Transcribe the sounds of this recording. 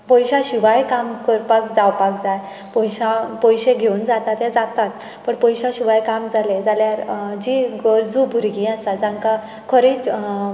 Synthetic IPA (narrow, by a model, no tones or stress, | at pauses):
pɔjɕãɕuʋajkamkəɾpakd͡zawpakd͡zaj | pɔjɕãpɔjɕeɡʱeund͡zat̪at̪jɛd͡zat̪at̪ | pəɳpɔjɕaɕuʋajkamd͡zaled͡zaljaɾd͡ʑiɡɔɾd͡zubʱuɾɡĩːast̪ad͡zãŋka | kʰəɾiːt͡s